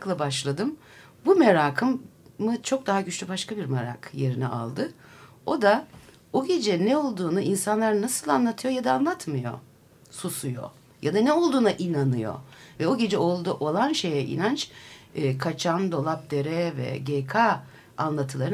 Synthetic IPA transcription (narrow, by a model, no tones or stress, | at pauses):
klˠabaʃlˠad̪ɯm | bumeɾaːkʰɯmːɯt͡ʃʰo̞k̚d̪aɦaɟyt͡ʃʰlʲybaʃkʰabiɾmaɾa̰kje̞ɾinɛ̰ʔa̰lˠd̪ɯ | o̞d̪a | o̞ɟe̞d͡ʒɛnɛo̞lˠd̪uːnuʔinsanlˠaɾnasɯlˠanlˠat̪ʰɯjo̞jad̪aːnlˠat̪mɯjo̞̰ | susujo̰ | jad̪anɛo̞lˠd̪uːnaʔinanɯjo̞̰vɛo̞ɟe̞d͡ʒɛo̞lˠd̪uʔo̞lˠanʃe̞jɛʔḭnant͡ʃː | kʰat͡ʃʰand̪o̞lˠap̚d̪e̞ɾɛvɛ̰ɟekʰa | anlˠat̪ʰɯlˠaɾɯ